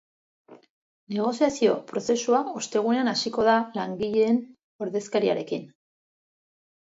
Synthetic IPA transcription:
ne̞ɣ̞o̞siasio̞pɾo̞se̞suao̞st̪e̞ɣ̞une̞anasiko̞ðalaŋɡiʎe̞ːn | o̞ɾðe̞skaɾia̰ɾe̞kin

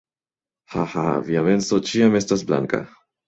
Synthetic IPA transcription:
ha̰ha̰viame̞nso̞t͡ʃiame̞stasbla̰ŋka̰

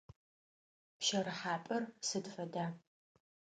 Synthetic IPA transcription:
pʃɐɾɨħaːpʼɐrsɨdfɐdaː

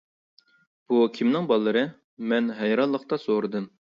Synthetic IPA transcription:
b̥ukʲʰimnɪŋbɑlˠːɨɾɨ | mɛnɦɛjɾɑnlˠːəqt̪ɑsoɾɨd̪ɨm

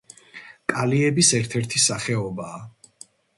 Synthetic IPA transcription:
kʼaliɛbisɛɾt̪ʰɛɾt̪ʰisaχɛɔbaː

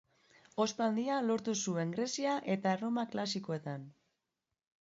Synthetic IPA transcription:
o̞spald̪ialo̞ɾt̪usue̞ŋɡɾe̞siaʔe̞t̪aro̞maklasiko̞e̞t̪an

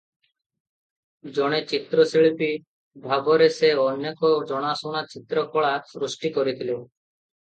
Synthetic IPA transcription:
d͡ʒɔɽ̃et͡ʃit̪ɾɔsiɭipi | bʱabɔɾeseɔnjekɔd͡ʒɔɽ̃asoñat͡ʃit̪ɾɔkɔɭasɾusʈikɔɾit̪ʰile

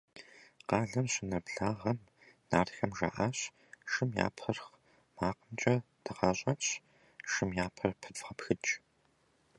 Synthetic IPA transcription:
qɑːɮɐmɕɪnɐbɮaːʁɐm | naːrxɐmʒa̰ːʔaːɕ | ʃɨmja̰ːpʰɐrχ | maːqəmt͡ʃʼɐd̥ʰɨʁɑɕʼɐɕ | ʃɨmjaːpʰɐrpʰɨtʁɐpxɨt͡ʃʼ

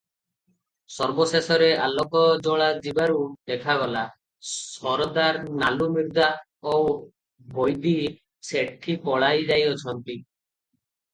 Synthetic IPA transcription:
sɔɾbɔsesɔɾealɔkɔd͡ʒɔɭ̃ad͡ʒibaɾud̪ekʰaɡɔla | sɔɾɔd̪aɾnalumiɾd̪a | ow | bʱojd̪i | seʈʰːipɔɭajd͡ʒajɔt͡ʃʰɔnt̪i

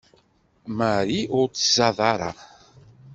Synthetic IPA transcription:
maɾiʊɾt͡sːə̥zɑðˤɑɾˤɑ̰

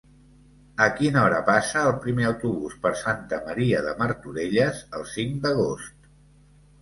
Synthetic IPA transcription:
əkinɔɾəpasəːlˠpɾimeəwt̪uβuspəɾsant̪əməɾiəðəməɾt̪uɾeʎəzəlˠsiŋd̪əɣ̞ost̪̚

